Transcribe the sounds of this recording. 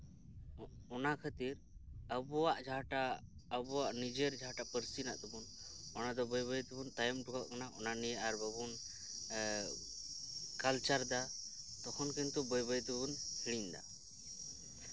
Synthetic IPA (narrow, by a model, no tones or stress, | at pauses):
ɔnakʰat̪iɾ | əbɔwaʔd͡ʒaʈaːbɔwaʔnid͡ʒeɾd͡ʒʱaʈapəɾsina̰ʔt̪ɔbun | ɔnad̪ɔbɔjbɔjt̪ubunt̪ajɔmʈukaʔkanaʔɔnanijɛʔaɾbabun | kalt͡ʃaɾd̪a | t̪ɔkʰɔnkɛnt̪ubɔjbɔjt̪ubunhiɽiɲd̪a̰